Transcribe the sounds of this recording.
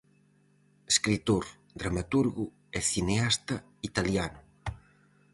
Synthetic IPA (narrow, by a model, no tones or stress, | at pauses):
eskɾit̪oɾ | d̪ɾamat̪uɾɣʊ | ɛθineast̪ɐ | it̪aljanʊ